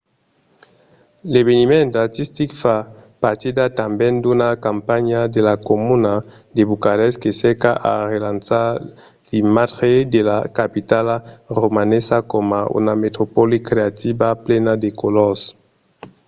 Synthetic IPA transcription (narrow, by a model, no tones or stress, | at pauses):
leβenimɛ̃nt̪aɾt̪ist̪ikfapaɾt̪id̪at̪ãmbɛnd̪unakãmpaɲad̪elakomuna | d̪eβukaɾɛskesɛkaʔa̰ʁelãnsa | limat̪ʁed̪elakapit̪alʁomanɛsakɔmaṵnamet̪ɾopɔlikɾeat̪ibaplɛnad̪ekolɔs